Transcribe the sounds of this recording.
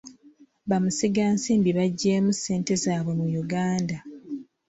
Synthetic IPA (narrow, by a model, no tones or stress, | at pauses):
βamusiɡaːnsiːmbiβaɟːeːmuse̞ːnte̞zaːβwe̞mujuɡaːnda